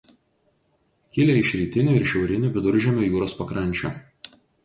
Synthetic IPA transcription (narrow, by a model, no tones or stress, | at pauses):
kʲɪlʲeɪʃʲɾʲiːt̪ʲɪnʲʊɪɾʃʲɛʊɾʲɪnʲʊʋʲɪd̪ʊɾʲʒʲɛmʲoːjuːɾoːspɐkɾɐnʲˑt͡ʃʲṵ